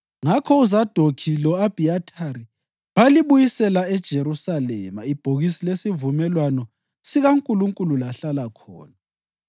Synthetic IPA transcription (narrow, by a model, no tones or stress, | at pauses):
ŋakʰɔuzad̥ʱokʰilɔab̥ʱiatʰaɾi | βaliβujisɛlaɛd̥ʒ̥ʱeɾusalɛ̰ma̰ib̥ʱoɣisilesivumɛlwanɔ | siɣaŋkʼuluŋkʼululaɬalakʰɔ̰ːna